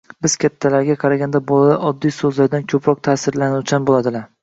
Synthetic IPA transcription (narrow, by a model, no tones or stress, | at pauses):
bɪz̥kʲʰat̪ʰːalaɾɡʲaqʰɑɾaɡʲand̪abolaʔɒd̪ːijsɵzlaɾd̪ankʲʰɵpʰɾɒq̚t̪ʰasɪɾlanuwt͡ʃʰanbolˠad̪ɪlaɾ